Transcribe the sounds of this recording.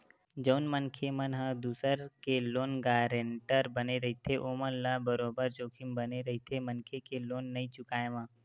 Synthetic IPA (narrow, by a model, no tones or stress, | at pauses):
d͡ʒəʊnmənkʰemənɦə̃d̪uːsəɾkeloːnɡaːɾeɳʈəɾbəneɾɐɦit̪ʰeʔoːmənlabəɾoːbəɾd͡ʒoːkʰɪmbəneɾɐɦit̪ʰemənkʰekeloːnːɐĩt͡ʃʊkaːemãː